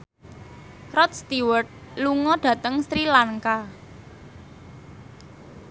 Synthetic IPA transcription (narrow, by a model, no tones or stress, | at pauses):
rɔt̪̚st̪iwərt̪̚luŋɔɖ̥ä̤t̪əŋst̪ɾilaŋka